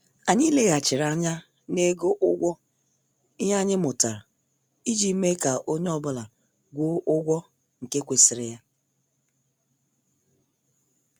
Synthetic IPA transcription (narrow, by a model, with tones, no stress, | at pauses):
a˨ɲɪ˦le˦ɣa˨t͡ʃɪ˨ɾa˦ɲa˦ | ne˦ɡo˦ʔʊ˦ɡʷɔ˦ | ɪ˦ɦa˦ɲɪ˦mʊ˨ta˨ɾ | i˦d͡ʒi˨˦me˦ka˨ʔo˦ɲ˦ɔ˦bʊ˦la˨ | ɡʷo˦ʔʊ˦ɡʷɔ˦ | ŋ̩˨ke˦kʷe˨sɪ˨ɾɪ˦ja˦